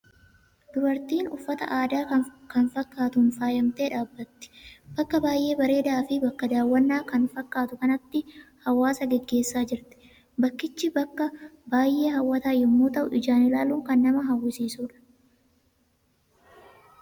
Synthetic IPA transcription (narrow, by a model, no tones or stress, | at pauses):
d̪̥ʊbɐɾt̪iːnʊfːɐt̪ɐ̰ʔaːd̪aːkɐnfɐkːaːt̪ʊnfaːjɐmt̪eːᶑaːbːɐt̪ːɪ̥b̥ɐkːɐbaːjʔe̞ːbɐɾe̞ːd̪aːfɪbɐkːɐd̪aːwːɐnːaːkɐnfɐkːaːt̪ʊkɐnɐt̪ːɪhɐwaːsɐɡɛɡːe̞ːsːaːd͡ʒɪɾt̪ɪ̥ | bɐkːɪt͡ʃːɪbɐkːɐbaːjʔe̞ːɦɐwːɐt̪aːjɪmːoːt̪ɐʔʊʔɪd͡ʒaːnɪlaːluːŋkɐnːɐmɐɦɐwːɪsiːsuːᶑɐ̥